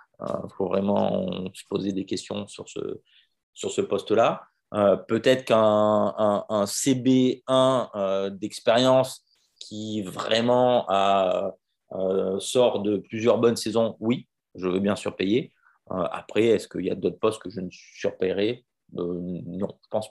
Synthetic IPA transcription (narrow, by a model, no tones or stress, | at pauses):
ø̰fovʁɛmɑ̰̃sə̥pozed̪ekʲɛst̪jɔ̰̃syʁsə̰ | syʁsəpɔst̪la | øpøt̪ɛt̪χkɛ̃ɛ̃ːsebeɛ̃ød̪ɛkspeʁjɑ̃s | kʲʰivʁɛmɑ̃aø | øsɔʁd̪əplyzjœʁbɔnsɛzɔ̃wi | ʒəvøbjɛ̃syʁpeje | ø̰a̰pχɛɛskəilja̰d̪ot̪χpɔst̪̚kəʒənəsi̥syʁpeʁɛ | ønɔ̰̃ʒ̥ə̥pɑ̃s